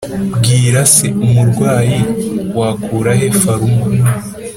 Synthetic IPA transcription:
bɡiːɾaseumuɾɡwaːjiwakʰuːɾaɦe̞faɾumɡun

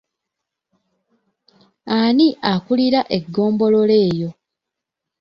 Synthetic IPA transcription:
aniʔakuliɾaʔe̞ɡːo̞ːmbo̞lo̞le̞ːjo̞

